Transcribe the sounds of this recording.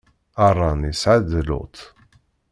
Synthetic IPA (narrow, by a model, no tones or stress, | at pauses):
ɑrˤːɑnisʕaðlʊ̰t̪